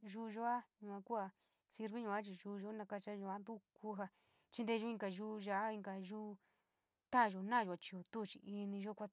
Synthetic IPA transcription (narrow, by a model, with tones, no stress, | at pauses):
ʒu˦˧ʒo˦a˦ɲũ˧˨ã˧ku˦a˧ | si˧ɾβi˦ɲũ˧a˦t͡ʃi˧ʒuː˧˦˧ʒo˦nã˧ka˧t͡ʃa˧˦ɲũ˧a˦nd̪u˦kʰu˦ɦa˧ | t͡ʃi˧nd̪e˧˦˧ʒou˦ĩ˧ŋɡa˧ʒuː˦ʒa˧˦a˦ĩ˧ŋɡa˧ʒuː˦˧ | t̪ã˦˨ʒo˧˨nã˦˨ʒo˧a˧t͡ʃi˧o˨t̪u˦˨t͡ʃi˧ʔi˧nĩ˧ʒo˦kʷa˧˦